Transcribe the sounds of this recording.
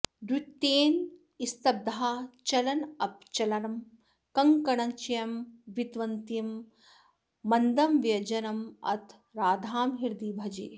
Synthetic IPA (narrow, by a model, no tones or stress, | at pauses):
d̪ut̪ːeːn | ist̪ɐb̚d̪ɐɦat͡ʃɐlɐnɐp̚t͡ʃɐlɐɾɐm | kɐŋkɐɳɐŋt͡ʃɐjɐmʋit̪ʋɐnt̪im | ɐnd̪ɐmʋjɐd͡ʒɐnɐmɐ̰t̪ʰ | ɾaːd̪ʱaːmɦiɾd̪iːbʱɐd͡ʒeː